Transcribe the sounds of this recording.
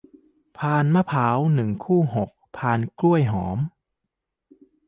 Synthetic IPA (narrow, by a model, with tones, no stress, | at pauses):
pʰaː˧nmaː˧˩pʰaː˩˦wnɯ˨˩ŋkʰuː˥˩ɦo˨˩k̚pʰaː˧˩nklu˥˩əjɦɔ̰ː˩˦m